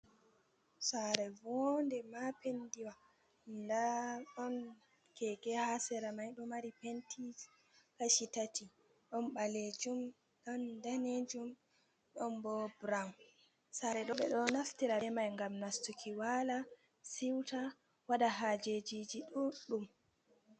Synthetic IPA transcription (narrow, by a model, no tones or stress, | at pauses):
saɾɛvɔndɛmapendiwa | ndaɗɔn | kɛɡɛhasɛɾamajɗɔmaɾipentʰis | kaʃitatʰi | ɗɔnɓaled͡ʒum | ɗɔndaned͡ʒum | ɗɔnbɔbɾawn | saɾɛɗɔɓɛɗɔnaftiɾaɛmajŋɡamnastukʰiwala | siwta | waɗaɦad͡ʒed͡ʒid͡ʒiɗuɗum